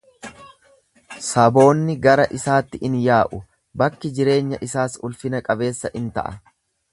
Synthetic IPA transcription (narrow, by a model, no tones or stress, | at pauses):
sɐbo̞ːnːɪɡɐɾɐʔɪsaːt̪ːɪʔɪnjaːʔʊ | bɐkːɪd͡ʒɪɾe̞ːɲːɐʔɪsaːsʊlfɪnɐkʼɐbe̞ːsːɐʔɪnt̪ɐ̰ʔɐ̰